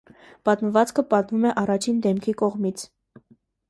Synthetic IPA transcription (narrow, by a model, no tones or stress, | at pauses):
pɑt̪məvɑt͡skʰəpɑt̪mumɛʔɑrɑt͡ʃʰind̪ɛmkʰikɔʁmit͡sʰ